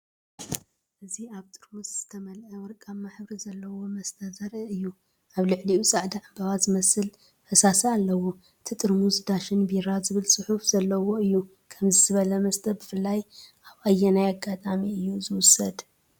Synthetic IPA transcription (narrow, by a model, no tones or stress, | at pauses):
ʔɨziaβt̪ʼɨɾmusz̥ɨt̪ʰɐmɐlʔɐwɨɾkʼaβmaħbɾizɐlːɐwo̞mɐst̪ʰʼɐzɐɾɨɨjːu | ʔaβlɨʕliusʼaʕd̪aʕambɐβazɨmɐsɨl | fɐsasaalːɐwo̞ | t̪ʰɨt̪ʼɨɾmuzd̪aʃɨnbiɾazɨβɨlsʼɨħufz̥ɐlːɐwo̞ɨjːu | kʰɐmzɨzɨβɐlɐmɐst̪ʰʼɐɾbɨfɨlːajʔaβajːɛnajaɡat̪ʼamiɨjːuzɨwʊsɐd̪